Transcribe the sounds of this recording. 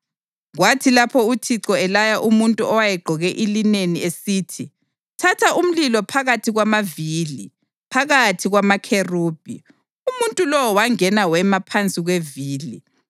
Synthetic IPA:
ɣwatʰilapʰɔutʰiǀɔɛlajaʔumuntʼuɔwajɛɡ͡ǃʱɔɣɛʔilineniesiːtʰi | tʰatʰaʔum̩lilɔpʰaɣatʰiɣwamaviːli | pʰaɣatʰiɣwamakʰeruːb̥ʱḭ | umuntʼulɔwɔwaŋɛnawɛmapʰant͡sʼiɣweviːli

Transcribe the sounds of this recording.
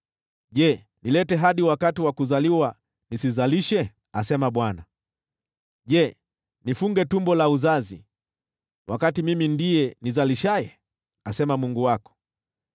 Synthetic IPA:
ʄɛ | nilɛtɛɦaɗiwakatiwakuzaliwa | nisizaliʃɛ | asɛmaɓwana | ʄɛ | nifuŋɡɛtumbɔlauzazḭ | wʔa̰katimimindijɛnizaliʃajɛ | asɛmamuŋɡuwakɔ̥

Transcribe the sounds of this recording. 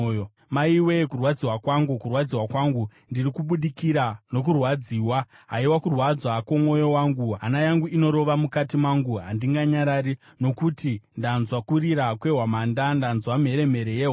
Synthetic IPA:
maiwekurwad͡ziwakwaŋɡukurwad͡ziwakwaŋɡundirikuɓuɗikiɾano̞k̬urwad͡ziːwa | ɦaiwakurwad͡zwakwomo̞jo̞waŋɡuɦa̰najaŋɡuino̞ɾo̞ʋamukatimaŋɡuɦandiŋɡaɲaɾaɾi | no̞kutindanzwakuɾiɾakwe̞ɦwamandandanzwam̤ɦe̞ɾe̞me̞ɾejeɦwa

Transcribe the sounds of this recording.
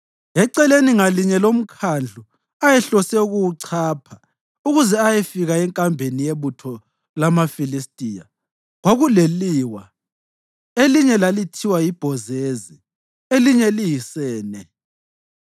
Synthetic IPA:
ɛǀɛleniŋaliɲɛlom̩kʰand͡ɮʱu | ajɛɬɔsɛuɣuwuǀʰaːpʰa | uɣuzɛajɛfiɣaɛŋkʼambʱenijeβutʰɔ | lamafilistʼiːja̰ | ɣwaɣuleliwa | eliɲɛlalitʰiwajib̥ʱɔzezi | eliɲɛlijisɛːnɛ

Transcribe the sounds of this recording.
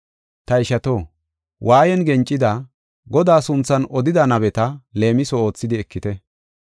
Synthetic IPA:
t̪ɐɪʃɐt̪o̞ː | wʔaːjɛnɡɛnt͡ʃʼːɪd̪ɐ | ɡɔd̪aːsʊnt͡sːɐnɔd̪ɪd̪ɐnɐbɛt̪ɐle̞ːmɪsɔo̞ːt͡sːɪd̪ɪɛkːɪt̪ɛ

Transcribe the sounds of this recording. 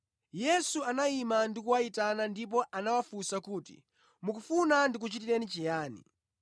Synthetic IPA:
jɛsuanaimandikuwaitanandip̬ɔʔanawafusakuːtḭ | mukufunandik̬ut͡ʃitiɾɛnit͡ʃijaːnḭ

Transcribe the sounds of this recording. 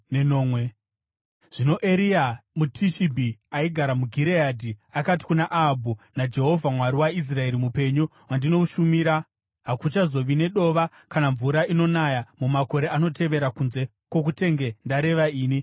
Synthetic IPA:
nenoːmwe | ʐ̥ino̞ʔe̞ɾiamutʰiʃibʱiaiɡʱaɾamuɡʱiɾeadʱiakati̥kunaʔabʱunad͡ʒe̞ɦo̞vʱamwaɾiwais̬rae̞ɾimupe̞ɲo | wandino̞uʃumiːɾa | ɦakut͡ʃazo̞ʋine̞ɗo̞ʋa | kanaɱvuɾaino̞najamumako̞ɾe̞ano̞te̞ʋe̞ɾakunze̞ | kwo̞k̬ute̞ŋɡe̞ndaɾe̞ʋaiːni

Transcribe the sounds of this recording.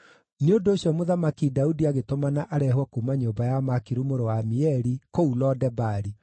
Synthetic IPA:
neondoːɕjɔmoðamakidaudiaɣetomanaʔaɾɛhwɛkumaɲoːmbajamakiɾumoɾowamiɛɾikoulɔdɛbaɾi

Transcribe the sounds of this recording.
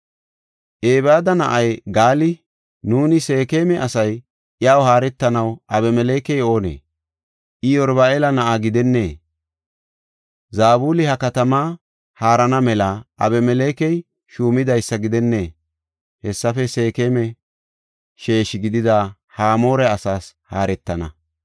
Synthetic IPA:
ʔeːbaːd̪ɐnɐ̰ʔɐjɡaːlɪ | nuːnɪse̞ːke̞ːmɛʔɐsɐj | ʔɪjaːwhaːɾɛt̪ːɐnɐwʔɐbɛmɛleːkɛjo̞ːnḛː | ʔɪjɔɾbaːelɐnɐʔaɡɪd̪ɛnːe̞ː | zaːbuːlɪhɐkɐt̪ɐmaː | haːɾɐnɐmɛlɐʔɐ̰bɛmɛleːkɛj | ʃuːmɪd̪ɐjsːɐɡɪd̪ɛnːe̞ː | hɛsːɐfɛse̞ːkeːmɛ | ʃe̞ːʃɪɡɪd̪ɪd̪a | haːmo̞ːɾɛɐsaːshaːɾɛt̪ːɐnɐ

